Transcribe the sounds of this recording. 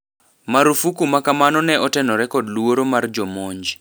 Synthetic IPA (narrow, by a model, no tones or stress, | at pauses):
maɾufukumakamanɔnɛʔɔtɛnɔɾɛkɔdluwoɾomard͡ʒɔmɔɲd͡ʒi